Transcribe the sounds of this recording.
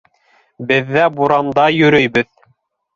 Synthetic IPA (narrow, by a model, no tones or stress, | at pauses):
bɘ̆ðːæbuɾɑmd̪ɑjɵ̆ɾɵjbɘð